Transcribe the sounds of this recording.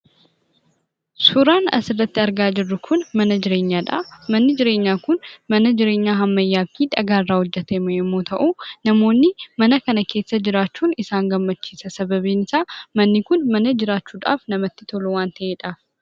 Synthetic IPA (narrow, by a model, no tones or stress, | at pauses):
suɾaːnɐ̰sɪrːɐt̪ːɪɐɾɡaːd͡ʒɪrːʊkʰʊnmɐnɐd͡ʒɪɾeːɲːaːᶑ̪a̰mɐnːɪd͡ʒɪɾe̞ːɲːaːkʊnmɐnɐd͡ʒɪɾe̞ːɲːaɦɐmːɐjːaːkiᶑ̪ɐɡaːrːawʊd͡ʒːɐt̪ʰɐjmojɛmːot̪ʰɐʔunɐmo̞ːnːimɐnɐkɐnɐkʰeːsːɐd͡ʒɪɾaːt͡ʃːunɪsaːŋɡɐmːɐt͡ʃːisɐsɐβɐβinɪsamɐnːikʊnmɐnɐd͡ʒɪɾaːt͡ʃːuᶑ̪a̰ːfnɐmɐt̪ːɪt̪ʰoluwaːnt̪ʰɐeᶑ̪ʼaf